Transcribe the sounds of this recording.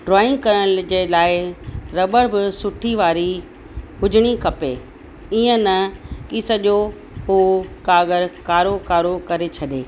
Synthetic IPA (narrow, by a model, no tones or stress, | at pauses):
ɖɾɔːɪ̃ŋɡ̚kɐɾəɽd͡ʑeːlaːɪɾɐbəɾbɪsʊʈʰiʋaːɾi | ɦʊd͡ʑɪɽ̃ikɐpe | iːə̃nɐkiːsɐʄo | ɦuːkaːɡəɾkaːɾokaːɾokɐɾet͡ɕʰɐɗeː